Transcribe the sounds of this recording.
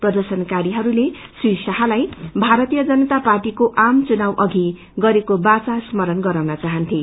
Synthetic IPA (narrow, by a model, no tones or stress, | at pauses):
prʌd̪ʌrsʌnkaɾiɦʌɾulesrisaɦalajbʱaɾʌt̪ijʌd͡zʌnʌt̪aparʈikoʔamt͡sunawʔʌɡʱi | ɡʌɾekobat͡sasmʌɾʌnɡʌɾawnʌt͡saɦʌnt̪ʰi